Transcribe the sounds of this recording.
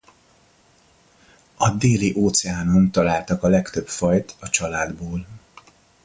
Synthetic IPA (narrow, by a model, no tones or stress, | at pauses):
ɒd̪eːliʔoːt̪sɛaːno̞mt̪ɒlaːlt̪ɒkɒlɛkt̪ø̞pfɒjt̪ɒt͡ʃɒlaːd̪boːl